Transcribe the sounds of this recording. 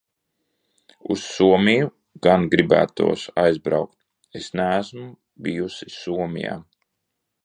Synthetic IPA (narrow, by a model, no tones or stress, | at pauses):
usːuɔmʲiju | ɡ̥anɡɾibæ̰ːt̪ṵɔsajzbɾawkt̪̚ | esnæːsmu | bijusisuɔmʲḭja̰ː